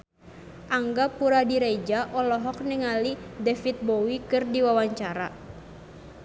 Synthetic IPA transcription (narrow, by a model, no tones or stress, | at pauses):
ʔaŋɡapuɾadiɾed͡ʒaʔɔlɔɦɔk̚nɛŋalidɛfit̪̚bowikɨrdiwawaɲt͡ʃaɾa̰